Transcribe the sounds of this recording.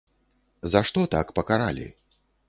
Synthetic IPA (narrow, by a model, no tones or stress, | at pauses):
zaʂt̪ɔt̪akpɐkaɾa̰lʲḭ